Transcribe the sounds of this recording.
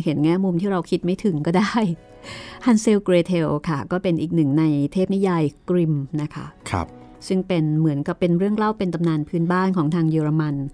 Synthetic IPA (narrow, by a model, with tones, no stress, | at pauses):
he˩˦nŋɛː˥˩mu˧mt̪ʰiː˥˩ɾa˧wkʰi˦˥t̪̚ma˥˩jt̪ʰɯ˩˦ŋkɔː˥˩daː˥˩j | ʔʰa˧nse˧wkɾeː˧t̪ʰe˧wkʰa˥˩kɔː˥˩pe˧nʔiː˨˩k̚nɯ˨˩ŋna˧jt̪ʰeː˥˩p̚ni˦˥jaː˧jkɾi˧mna˦˥kʰa̰˦˥kʰa̰˦˧p̚ | sɯ˥˩ŋpe˧nmɯ˩˦ənka˨˩pːe˧nɾɯ˥˩əŋla˥˩wpe˧nt̪a˧mnaː˧npʰɯː˦˥nbaː˥˩nkʰɔː˩˦ŋt̪ʰaː˧ŋjɯː˧ɾa˧ma˧n